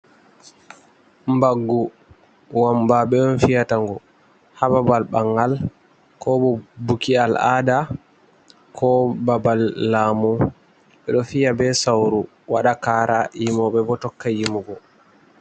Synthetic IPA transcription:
mbaɡːu | wambaɓɛɔnfijataŋɡɔ | hababalɓaŋɡal | kɔbɔbukiala̰ːda | kʰɔbabalːaːmu | ɓɛɗɔfijabɛsawɾu | waɗakaːɾʔaʔimɔɓɛbɔtɔkːajimuɡɔ

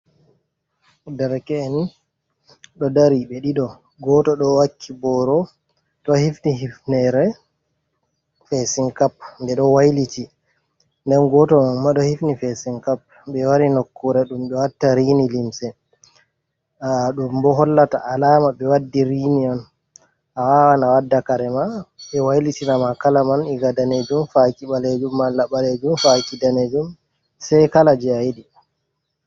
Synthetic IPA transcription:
daɾkɛni | ɗɔdaɾiɓɛɗiɗɔ | ɡɔtɔɗɔwakʰːibɔɾɔ | tɔhifniɦifnɛɾɛ | fɛsiŋkap̚ndɛɗɔwajliti | ndɛnɡɔtɔmanmaɗɔhifnifɛsiŋkap̚ | bɛwaɾinokʰːuɾɛɗumɗɔwatːaɾiːnilimsɛ | ɗumbɔɦɔlːata̰ʔalaːmaɓɛwadːiɾiːniɔn | ʔawawanawadːakaɾɛmaɓɛwajlitinamakalamanɛɡadaned͡ʒumfakiɓaled͡ʒumːalːaɓaled͡ʒumfakidaned͡ʒum | sajkalad͡ʒiajiɗi

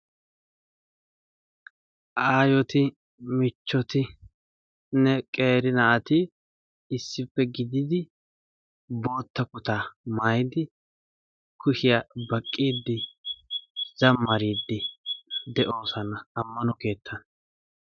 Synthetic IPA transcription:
ʔaːjɔt̪ɪ | mɪt͡ʃːɔt̪ɪ | nɛkʼe̞ːɾɪnɐʔɐt̪ɪ | ɪsːɪfːɛɡɪd̪ɪd̪ɪ | bo̞ːt̪ːɐkʊt̪aːmaːjd̪ɪ | kʰʊʃɪjabɐkʼːiːd̪ːɪ | z̥ɐmːɐɾiːd̪ːɪd̪ɛʔo̞ːsɐnɐːmːɐnɔke̞ːt̪ʰːɐnɐ

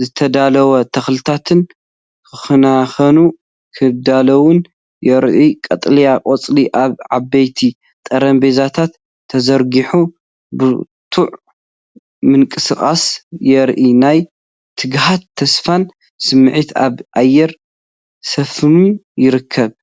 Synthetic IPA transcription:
zɨt̪ʰɐd̪alɐwɐt̪ʰɐxlɨt̪ʰat̪ʰɨn | kʰɨxɨnaxɐnu | kʰɨd̪alɐwʊn | jɛɾʔikʼɐt̪ʼlijakʼot͡sʼliʔaβʕabɐjt̪ʰi | t̪ʼɐɾɐmbezat̪ʰat̪ʰː | ɐzɐɾɡiħu | bɨ | t̪ʰuʕ | mɨŋkʼɨsɨkʼa̰sjɛɾʔinaj | t̪ʰɨɡɦat̪ʰːɐsfan | sɨmːɨʕit̪aβʔajːɛɾ | sɐfɨmun | jɪɾɨkʰːɐβ

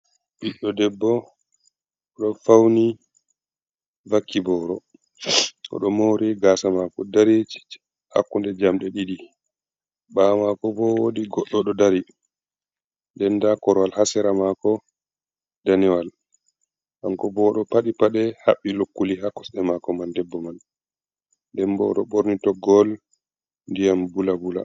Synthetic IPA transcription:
ɓiɗɔdɛbːɔ | ɔɗɔnfawni | vakːibɔːɾɔ | ʔɔ̰ɗɔmowɾiɡaːsamakɔdaɾi̥ | ha̰kːundɛd͡ʒamɗɛɗiɗi | bamakɔbɔwodiɡɔɗːɔɗɔdaɾi | ndɛndakɔɾwalhasɛɾamakɔ | daniwal | ʔaŋkɔbɔɗɔpaɗipaɗɛhaɓːilokːuliɦakɔ̥sɗɛmakɔmandɛbːɔman | dɛmbɔ̰ɗɔ̰ɓoɾnitɔɡɔl | ndijambulabula̰

